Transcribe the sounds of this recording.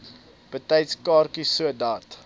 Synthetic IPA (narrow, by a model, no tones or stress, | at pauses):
b̥ətɐjtskɑːrkisuədɐt